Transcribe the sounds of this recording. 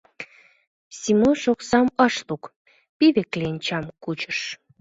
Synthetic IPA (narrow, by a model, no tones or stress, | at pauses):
simoʃoksɑmɑʃt̪uk | piβeklenʲt͡ɕɑmkut͡ɕə̥̆ʃ